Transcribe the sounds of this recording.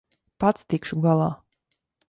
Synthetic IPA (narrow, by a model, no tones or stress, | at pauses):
pat̪st̪ikʃuɡalˠaː